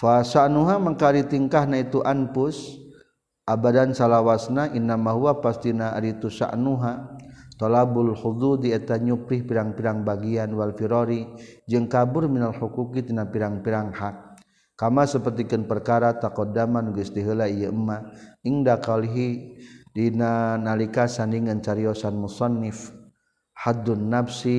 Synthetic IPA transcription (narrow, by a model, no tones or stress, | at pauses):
fasaʔnuɦamakaɾit̪iŋkahnait̪uʔanpʊs | ʔabadansalawasnaʔinːamaɦuapast̪inaɾit̪usa̰ʔnuɦat̪ɔlabʊlhud̪ud̪iɛt̪aɲupɾihpiɾaŋpiɾaŋbaɡianwalfiɾɔɾid͡ʒɨŋkabʊrminalħukukit̪inapiɾaŋpiɾaŋhak̚ː | amasəpərt̪ikɨnpərkaɾat̪akɔdamanuɡst̪iɦəlaijəəmːaiŋdakaliɦidinanalikasandiŋənt͡ʃaɾiɔsanmusɑnːɪf | had̪ʊnːabsi